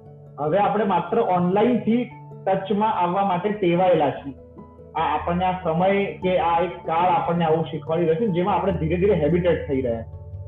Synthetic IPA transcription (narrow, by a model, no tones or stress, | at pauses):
ɦəʋeapəɽ̃emat̪ɾəʔɔnlaint̪ʰi | ʈət͡ʃmãʔaʋːamaʈet̪eʋaelat͡ʃʰe | aːpəɳneasəməjkeaekːaɭapəɳːeaʋũʃikʰʋaliɾəɦt͡ʃʰund͡ʒemãːpɽ̃ed̪ʱiɾed̪ʱiɾeɦɛbiʈeʈ̚t̪ʰəiɾəɦja̰t͡ʃʰe